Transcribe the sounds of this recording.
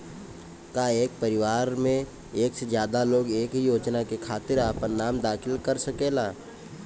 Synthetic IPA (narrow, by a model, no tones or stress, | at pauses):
kaeːk̚pəɾɪʋaːɾmẽ | eːksed͡ʒjaːd̪aloːɡeːkɦijoːd͡ʒnakekʰaːt̪ɪɾaːpənːaːmd̪aːkʰɪlkəɾsɐkeːlaː